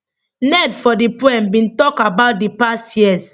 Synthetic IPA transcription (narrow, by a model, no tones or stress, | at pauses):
nɛdfɔdipwɛ̃mbĩntɔkabaʊt̚dipastjiɛs